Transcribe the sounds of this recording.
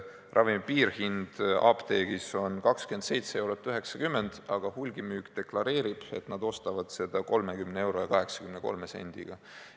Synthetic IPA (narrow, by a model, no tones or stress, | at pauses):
rʔɑvimpiːrhind̪̥ɑ̰ːpt̪e̞ːɡ̥iso̞nkɑkskyense̞jt̪see̞wɾo̞t̪ːyɦe̞ksɑkymːe̞nd̪̥ɑɡ̥ɑhulɡ̥imyːkt̪e̞klɑɾe̞ːɾib̥e̞̰t̪nɑd̪o̞st̪ɑvɑd̪̥se̞d̪̥ɑko̞lmekymnee̞wɾojɑkɑɦe̞ksɑ̥kymneko̞̰lmese̞̰nd̪̥ḭɡ̥ɑ